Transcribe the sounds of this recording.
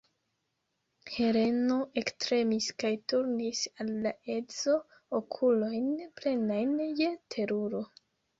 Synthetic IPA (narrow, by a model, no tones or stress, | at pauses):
he̞ɾe̞no̞ʔe̞kstɾe̞miskajtuɾnisalːaʔe̞zo̞ | okʰulo̞jnple̞najnjetʰe̞ɾuɾo̞